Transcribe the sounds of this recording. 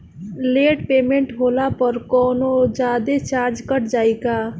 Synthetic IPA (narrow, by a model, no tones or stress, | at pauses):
leʈpemeɳʈɦolapəɾkɔnod͡ʒad̪et͡ʃaɾd͡ʒkəʈd͡ʒajka